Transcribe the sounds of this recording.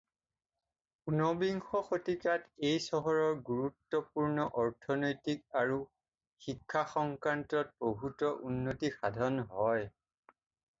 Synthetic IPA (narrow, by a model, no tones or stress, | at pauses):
unɔbiŋxɔxotikatejsɔɦɔɹɔɹɡuɹutːɔpuɹnɔʔɔɹtʰɔnojtik̚aɹu | xikʰːaxɔŋkɹantɔt̚boɦutɔʔunːotixadʱɔnɦɔj